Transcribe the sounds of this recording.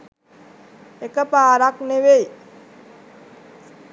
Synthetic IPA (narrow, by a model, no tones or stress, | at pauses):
ekəpaːɾakneʋej